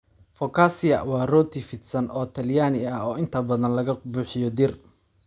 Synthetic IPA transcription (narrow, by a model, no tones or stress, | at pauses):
fɔkʰaːsɪjɐwɑːrɔːt̪ʰɪfɪd̪sɐnɔːt̪ʰɐljaːnɪɐɔːɪnt̪ʰɐbɐðɐnlɐɣɐbuːħɪjɔd̪ɪr